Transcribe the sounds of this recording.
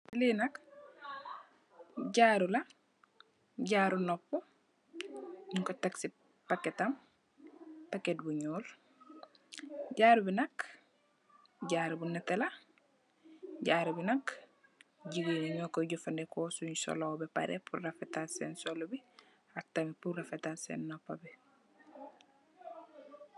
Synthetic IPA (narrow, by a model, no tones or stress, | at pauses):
linɐk | ɟaːɾulɐ | ɟaːɾunɔpːu | ɲuŋkotaksi | pakːetam | paket̚buɲɔːl | ɟaːɾubinɐk | ɟaɾbunɐtela | ɟaːɾbinɐk | ɟiɡiniɲɔːkɔɟufandekosuɲso̰lobepa̰ɾḛpʰṵrafetasḛnsolobi | ak̚tamipuɾafetasḛnːɔpːabe